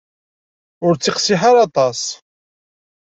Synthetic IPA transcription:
ʊɾt͡sːɪqsiħaɾɑt̪ˤɑsˤ

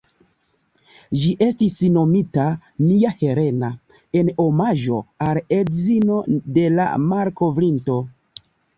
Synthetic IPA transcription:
d͡ʒiʔe̞stisno̞mitaniahe̞ɾe̞na | e̞nomaʒo̞̰aledzino̞de̞la̰maɾko̞vɾinto̞

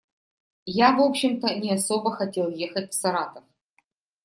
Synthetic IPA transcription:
javo̞pɕɪmt̪ənʲɪɐsobəxɐtʲe̞lˠjexɐtʲfsɐɾat̪əf

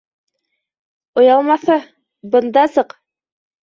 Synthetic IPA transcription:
ŏjɑlˠmɑθɤ | bɤ̆nd̪ɑsɤq

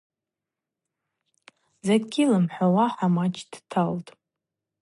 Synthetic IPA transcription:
zaɡʲilamħʷawaħamat͡ʃʰʼd̥tʰaltʼ

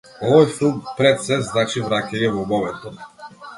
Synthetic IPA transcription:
ɔvɔjfilˠmpɾɛt̪sɛzznat͡ʃivɾacɛɲɛvɔbɔvɛt̪ɔ

